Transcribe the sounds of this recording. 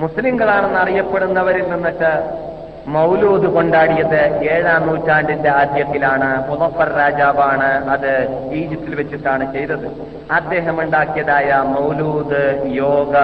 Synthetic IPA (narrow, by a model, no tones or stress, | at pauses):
musliŋɡɐɭaːɳenːɐrijɐpːeɽunːɐʋɐɾilninːɐʈːɨ | mɐwluːd̪ɨko̞ɳɖaːɽijɐðɨeːɻaːnːuːtːaːɳɖinde̞aːd̪jɐt̪ːilaːɳɨmuðɐfɐɾɾaːd͡ʑaːʋaːɳɨɐðɨiːd͡ʑɐpt̪ːilʋet͡ɕːuʈːaːɳɨt͡ɕe̞jt̪ːɐðɨ | ɐd̪ːe̞ːɦɐmuɳɖaːkːijɐðaːjɐmɐwluːd̪ɨjo̞ːɡɐ